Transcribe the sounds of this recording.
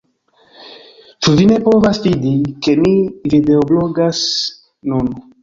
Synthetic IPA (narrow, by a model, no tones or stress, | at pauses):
t͡ʃuvine̞po̞vasvidike̞mivide̞oblo̞ɡas | nun